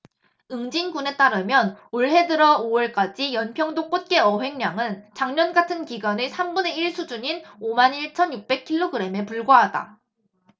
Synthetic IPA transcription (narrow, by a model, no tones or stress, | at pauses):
ɯŋd͡ʑinɡune̞t͈aɾɯmjʌnoɭɦe̞dɯɾʌoʌɭk͈ad͡ʑijʌnpʰjʌŋdok͈ot̚k͈e̞ʌɦe̞ŋɲaŋɯnt͡ɕaŋɲʌnɡatʰɯnkiɡwanesʰambune̞iɭsʰud͡ʑuɲinomaniɭt͡ɕʰʌnjuk̚p͈e̞kʰiɭːoɡɯɾe̞me̞puɭɡwaɦada̰